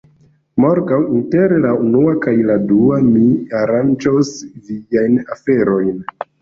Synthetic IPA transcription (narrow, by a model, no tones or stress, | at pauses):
moɾɡawinteɾlaunuakajladuamiaɾand͡ʒosviajnafe̞ɾo̞jn